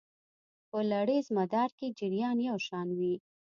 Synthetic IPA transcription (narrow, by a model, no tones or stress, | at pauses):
pəlaɽezmad̪ɑɾked͡ʒɪɾjɑnjawʃɑnwi